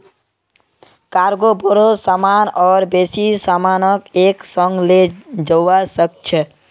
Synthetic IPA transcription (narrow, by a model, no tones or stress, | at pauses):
kaɾɡobəɾosamanɔːɾbesisamanəkeksəŋɡled͡ʒəwasəkt͡ʃʰə